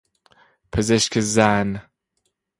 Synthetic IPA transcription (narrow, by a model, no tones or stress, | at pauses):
pʰezeʃkʰezæn